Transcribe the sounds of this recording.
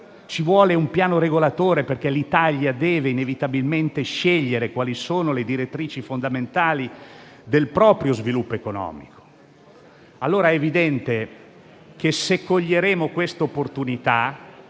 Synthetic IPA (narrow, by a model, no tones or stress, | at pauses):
t͡ʃivwɔːleumpjaːnoɾeɡolat̪oːɾeperkelit̪aʎjad̪ɛːveinevit̪abilment̪eʃeʎːeɾekwaːlisoːnoled̪iɾet̪ːɾiːt͡ʃifond̪ament̪aːli | d̪elpɾɔːpɾjozvilupːoekonɔ̰ːmiko̥ | alːoːɾaɛvid̪ɛnt̪e | k̟esekːoʎːeɾeːmokwest̪eopːort̪unit̪a